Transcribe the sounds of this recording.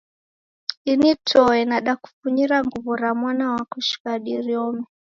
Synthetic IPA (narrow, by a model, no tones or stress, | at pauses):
initʰɔɛnaɗaku̥fuɲiɾaŋɡuvuɾamwanawakuʃi̥kaɗiɾiɔmɛ